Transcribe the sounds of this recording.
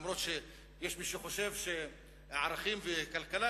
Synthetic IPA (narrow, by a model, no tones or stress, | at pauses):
mɾot̪ʃe | jeʃmiʃuχoʃevʃe | ʕaɾaχimvekalkala